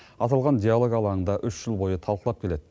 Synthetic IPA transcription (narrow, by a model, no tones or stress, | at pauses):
ɑt̪ɑlˠʁɑnd̪ʲialˠo̞ɡɑlˠɑəɴd̪ɑʔʏʃʒ̥əlˠbo̞jət̪ʰɑlˠqəlˠɑp̚kʲʰe̞le̞d̪ɪ